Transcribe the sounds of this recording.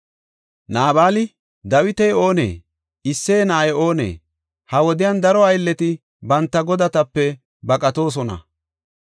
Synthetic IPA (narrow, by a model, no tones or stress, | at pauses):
naːbaːlɪ | d̪ɐwɪt̪ɛjo̞ːnḛː | ɪsːeːnaːjɛo̞ːnḛː | hɐwɔd̪ɪjand̪ɐɾɔɐjlːɛt̪ɪ | bɐnt̪ːɐɡɔd̪ɐt̪ɐpːɛ | bɐkʼɐt̪o̞ːs̬ɔnɐ̰